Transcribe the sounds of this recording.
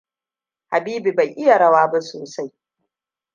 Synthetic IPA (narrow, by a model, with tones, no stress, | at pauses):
ha˨biː˦bi˨ba˨jʔɪ˦ja˨ɽɐ˦waː˦ba˦soː˨sa˦j